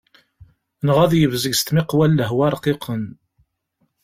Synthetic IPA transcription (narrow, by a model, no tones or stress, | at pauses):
nʁæðjəvzəɡst̪mɪqwælːəɦwæɾˤqiqʰən